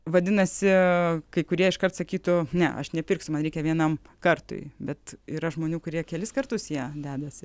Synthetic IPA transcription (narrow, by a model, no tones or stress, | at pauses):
ʋɐd̪ʲɪnɐsʲɪkɐɪkʊɾʲiɛɪʃkɐrt̪sɐkʲiːt̪ʊnʲɛ̰ʔɐ̰ʃnʲɛpʲɪrksʲʊmɐnɾʲɛɪkʲɛʋʲiɛnɐmkɐrt̪ʊ̰ɪbʲɛt̪iːɾɐʒmoːnʲuːkʊɾʲiɛkʲɛlʲɪskɐrt̪ʊsjiɛd̪ʲæːd̪ɐsʲɪ